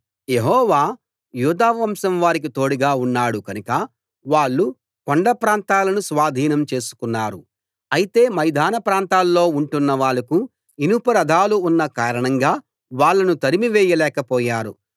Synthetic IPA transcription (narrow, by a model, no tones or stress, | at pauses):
je̞ɦɔːʋaː | juːd̪aːɐmsɐmʋaːɾik̬it̪o̞ːɽiɡaːunːaːɽukɐnukɐ | ʋaːɭːu | koɳɖɐpɾaːnt̪aːlɐnusʋaːd̪ʱiːnɐmt͡ʃe̞ːsu̥kunːaːɾu | ɐjit̪e̞ːmɐjd̪ʱaːnɐpɾaːnt̪aːlːo̞ːuɳʈunːɐʋaːɭɐku | inupɐɾɐd̪ʱaːluːnːɐkaːɾɐɳɐŋɡaː | ʋaːɭːɐnut̪ɐɾimiʋɛːjɐlɛːkɐpɔːjaːɾṵ